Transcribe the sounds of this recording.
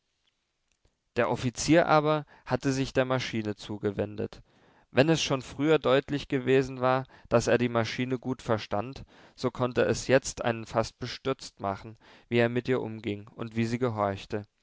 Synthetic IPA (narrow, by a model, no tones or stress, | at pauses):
d̥eːɐʔɔfit͡siːɐʔaːbɐ | hatəzɪçd̥eːɐmaʃiːnət͡suːɡəvɛndə̰t | vɛnɛsʃoːnfʁ̥yːɐdɔʏtlɪçɡ̥əveːzn̩vaːɐd̥aseːɐdiːmaʃiːnəɡuːtfɛɐʃtant | z̥oːkʰɔntəɛsjɛt͡stʔa̰ɪnənfast̚b̥əʃtʏɐt͡stma̰χn̩viːeːɐmɪtʔiːɐʔʊmɡɪŋʊ̰ntv̥iːziːɡəɦɔɐçtə